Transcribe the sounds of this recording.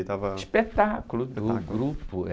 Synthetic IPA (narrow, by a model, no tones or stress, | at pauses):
t̪avɐʃspet̪akulud̪ʊɡɾupʊ